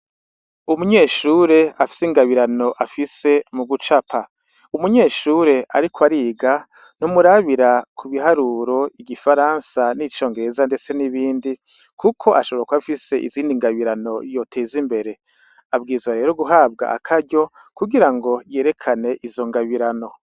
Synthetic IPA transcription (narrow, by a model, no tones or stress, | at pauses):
umuɲe̞ːʃuɾe̞afi̥siŋɡaβiɾano̞ʔafise̞muɡut͡ʃapʰa | umuɲe̞ːʃuɾe̞ʔaɾikʰwaɾiːɡa | numuɾaβiɾakʰuβiɦaɾuɾo̞iɟifaɾansanit͡ʃo̞ːŋɡe̞ɾe̞zande̞t͡se̞niβiːndi | kʰukʰo̞ʔaʃoβɾakwaβifise̞ʔḭziːndiŋɡaβiɾano̞jo̞tʰe̞ːzimbe̞ɾe̞ | ab̚ɡiːzwaɾe̞ːɾoɡuɦaːbɡa̰ʔa̰kʰaɾɟo̞ | kuɡiɾaŋɡo̞je̞ːɾe̞kʰane̞ʔizo̞ŋɡaβiɾano̞